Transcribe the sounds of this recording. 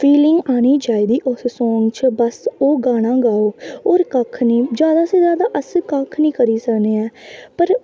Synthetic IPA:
pʰiːlɪŋɡaːñiːd͡ʒaːid̪iːʔʊssɔːŋɡt͡ʃʰbəsoːɡaːɽ̃ãːɡaːoːoːɾkəkʰnĩːd͡ʒjaːd̪aːseːzjaːd̪aːʔəskəkʰnĩːkəɾiːsəkneːɛːpəɾ

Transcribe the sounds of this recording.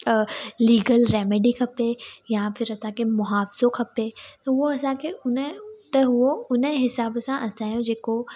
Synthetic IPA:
liːɡəlɾɛːmɪɖikʰɐpejafʰɪɾɐsãkʰemʊɦaːfɪz̥okʰɐpet̪ɐɦuoɐsãkʰeʊnət̪ɐɦuoʊnəɦɪsaːbsãʔɐsãːjõd͡ʑeːko

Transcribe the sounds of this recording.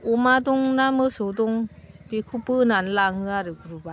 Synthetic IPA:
umadɔŋnamɯsɯwdɔŋb̥ikʰupɯnanlaŋɯaɾɯkɾuba

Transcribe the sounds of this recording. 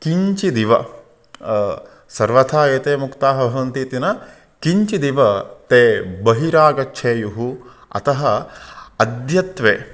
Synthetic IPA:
kiɲt͡ʃid̪iʋɐ̰ | sɐɾʋɐt̪ʰaːeːt̪eːmukt̪aːɦɐbʱɐʋɐnt̪iːt̪inɐ | kiɲt͡ʃid̪iʋɐt̪eːbɐɦiɾaːɡɐtːʃʰeːjuɦu | ɐ̰t̪ɐɦɐɐd̪jɐt̪ʋeː

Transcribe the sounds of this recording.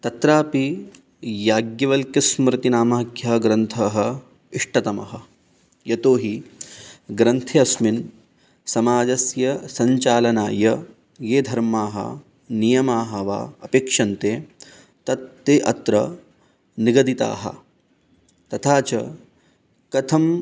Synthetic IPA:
t̪ɐt̪ɾaːpi | jaːɡjɐʋɐlkjɐsmɾɪt̪inaːmaːkjɐɡɾɐnt̪ʰɐːɦɐ | iʂʈɐt̪ɐmɐ̰ɦɐ | jɐt̪oːɦi | ɡɾɐnt̪ʰeɐsmin | sɐmaːd͡ʒɐsjɐsɐɲt͡ʃaːlɐnaːjɐ | jeːd̪ʱɐɾmaːɦɐ̰ | nijɐmaːɦɐʋa̰ːɐpeːkʂɐnt̪eː | t̪ɐt̪ːeːʔɐt̪ɾɐ̰ | niɡɐd̪it̪a̰ːɦɐ̰ | t̪ɐt̪ʰaːt͡ʃɐ | kɐt̪ʰɐm

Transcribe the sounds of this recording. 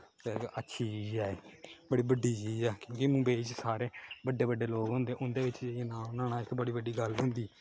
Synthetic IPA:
t̪eɪkətːʃʰiːt͡ʃiːd͡ʒɛːeːbəɽiːbəɖːiːt͡ʃiːd͡ʒɛːkjõːkɪmũːbeiːt͡ʃsaːɾeːbəɖːeːbəɖːeːloːɡɦʊ̃nd̪eːʔʊnd̪eːʋɪt͡ʃd͡ʒeenãːnaːɳaːɪkbəɽiːbəɖiːɡəlɦʊ̃nd̪iː

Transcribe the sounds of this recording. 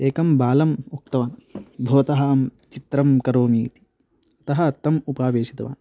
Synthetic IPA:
eːkɐmbaːlɐmuk̚t̪ɐʋaːnbʱoːɐt̪ɐɦaːmt͡ʃit̪ɾɐmkɐɾoːmiːt̪i̥ | ɐt̪ɐɦɐ̆t̪ːɐmupaːʋeːʃit̪ɐʋa̰ːn

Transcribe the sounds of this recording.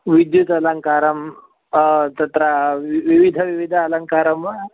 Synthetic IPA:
ʋid̪jut̪ələŋkaɾəm | t̪ət̪ɾaʋiʋid̪ʱəʋiʋid̪ʱaːləŋkaɾəmə

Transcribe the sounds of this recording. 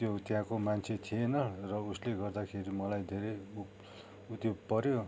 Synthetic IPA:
t̪jot̪jãkomant͡sʰet̪ʰienʌrʌusleɡʌrd̪akʰeɾimʌlajd̪ʱeɾeju | ut̪jopʌɾjo

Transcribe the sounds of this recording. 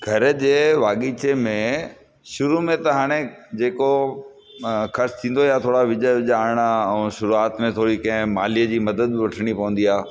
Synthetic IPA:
ɡʱɐɾd͡ʑeːʋaːɠit͡ɕemẽ | ʃʊɾumẽt̪ɐɦaːɽ̃ed͡ʑeːko | xɐɾst̪ʰĩːnd̪ojat̪ʰoːɽaʋɪd͡ʑəɪʄaːɾɽ̃aɛ̃ːʃʊɾuaːt̪mẽt̪ʰoːɽikɐ̃ɦɪ̃maːlijəd͡ʑiːmɐd̪əd̪̚ʋɐʈʰəɽ̃ipɐʋə̃nd̪iaː

